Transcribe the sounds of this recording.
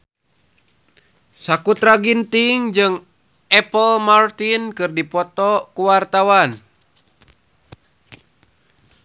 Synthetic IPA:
sakut̪ɾaɡint̪iŋd͡ʒɨŋ | ʔɛpəlmart̪inkɨrdipɔt̪ɔkuwart̪awan

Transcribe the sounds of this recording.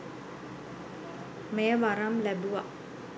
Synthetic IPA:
mejːəʋaɾamlæbuʋa

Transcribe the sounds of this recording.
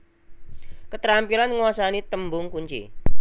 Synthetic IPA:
kət̪ɾampilanŋuwasanit̪əmbʊŋkuɲt͡ʃḭ

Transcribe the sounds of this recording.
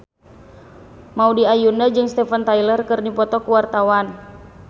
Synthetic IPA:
maudiajundad͡ʒɨŋst̪ɛfant̪ailərkɨrnipɔt̪ɔkuwart̪awan

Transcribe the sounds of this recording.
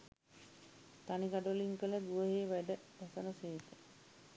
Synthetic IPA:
t̪aniɡaɖoliŋkələd̪uʋəɦeːʋæɖəʋasənəseːt̪ə

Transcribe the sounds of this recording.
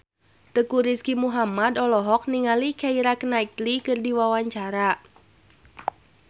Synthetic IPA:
t̪əkuɾiskimuɦamadɔlɔɦɔk̚niŋalikaiɾakənaik̪̚likɨrdiwawaɲt͡ʃaɾa

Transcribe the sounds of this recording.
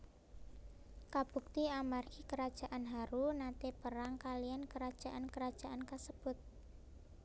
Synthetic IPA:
kab̥ṳk̚t̪iamarkikəɾad̥ʒ̥a̤ʔanɦaɾunat̪epəɾaŋkaliankəɾad̥ʒ̥a̤ʔankəɾad̥ʒ̥a̤ʔankasəb̥ʊt̪̚

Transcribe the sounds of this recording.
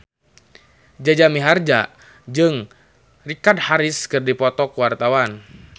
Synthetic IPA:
d͡ʒad͡ʒamiɦard͡ʒa | d͡ʒɨŋ | rikadhaɾɪskɨrdipɔt̪ɔkuwart̪awan

